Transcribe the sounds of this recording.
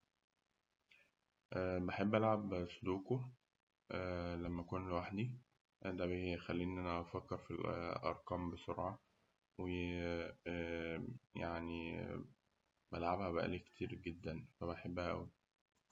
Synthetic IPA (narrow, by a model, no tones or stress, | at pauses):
ʔæːbeħebːʔælʕabsˤod̪uːko | ʔælæmːækonlwaħd̪i | d̪æbexælːiːʔenːænæʔɑfækːeɾfilʔɑ̰ɾˤqɑːmbesoɾʕɑ | we | jaʕni | bælʕabhæbæʔæ̰liːke̥t̪ʰiːɾɡed̪ːænfæbeħebːhæʔæ̰wi